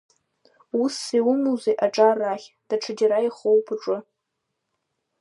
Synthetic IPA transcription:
usːiwʊmuwzejʔaʈ͡ʂʼarːaχʲ | d̥aʈ͡ʂʰɨdiɾaiχowpʰɨʈ͡ʂʼʊ

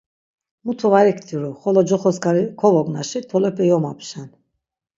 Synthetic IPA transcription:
mut̪ʰɔvaɾikʰt̪ʰiɾuχɔlɔd͡ʒɔχɔskaɾikʰɔvɔɡnaʃit̪ʰɔlɛpʰɛjɔma̰pʃan

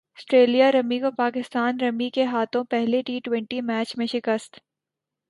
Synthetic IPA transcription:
ɐsʈɾeːlijaɾɐmikopaːkɪst̪aːnɾɐmikeɦaːt̪ʰõpɛɦleʈiːʈwɛ̃ɳʈimɛːt͡ʃmẽʃɪkəst̪

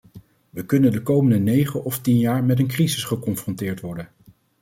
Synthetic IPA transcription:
ʋəkɵnəndəkowməndənejχəʔɔftinjaːɹmɛtənkrizɪsχəkɔnfrɔ̃ntɪːɹtʋɔɹdən

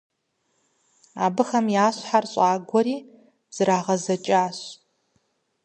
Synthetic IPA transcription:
aːbɨxɐmjaːɕħarɕʼaːɡʷɔɾiː | z̥ɨɾaːʁɐzɐt͡ʃʼaːɕ

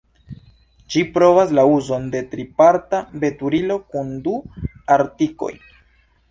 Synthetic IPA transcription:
d͡ʒipɾo̞vas̬lauzo̞nde̞tɾipaɾtabe̞tuɾilo̞kunduaɾtiko̞̰j

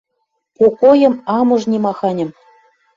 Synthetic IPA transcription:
kokojɤ̆mɑmɤ̆ʒnʲimɑxɑnʲɤ̆m

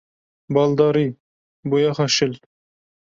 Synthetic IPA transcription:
bɑlˠd̪ɑɾi | bojɑχɑʃɪl

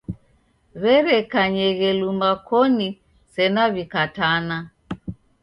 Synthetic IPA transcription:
βɛɾɛkaɲɛɣɛlumbakɔni | sɛnaβikatana

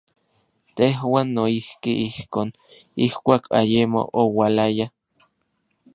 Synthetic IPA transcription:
t̪eɦwaːnːoihkiʔihkoːn | ihkʷaːkʰa̰jemo̰ʔowalaja

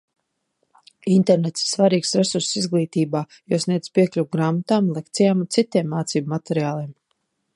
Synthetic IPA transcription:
int̪ɛɾnet̪si̥ɾsvaɾiːksɾesuɾssizɡlˠiːt̪iːbaː | joɔsnʲiɛd̪pʲiɛklʲuwɡɾaːmat̪aːmlˠek̚t̪sijaːmunt̪sit̪iɛmːaːt̪siːbmat̪ɛɾiaːlˠiɛm

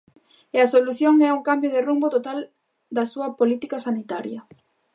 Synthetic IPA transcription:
eɐsoluθjoŋɛuŋkambjʊð̞ɪrumbot̪ot̪al | d̪ɐsuɐpolit̪ikɐsanit̪aɾjɐ

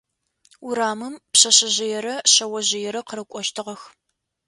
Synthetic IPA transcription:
uɾaːmɨmpɕɐɕɐʑɪjɛɾɐɕɐwɐʑɪjɛɾɐqəɾɨkʷʼɔʃtʰɨʁɐx

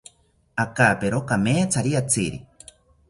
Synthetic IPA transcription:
akaːpeɾokameːt͡sʰaɾiat͡siɾḭ

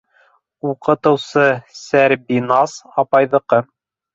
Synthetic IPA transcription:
uqɤ̆t̪ɤ̆wsɤsæɾbinɑsɑpɑjðɤ̆qɤ

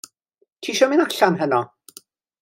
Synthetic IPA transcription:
tʰiːʃɔminaɬanɦənɔ

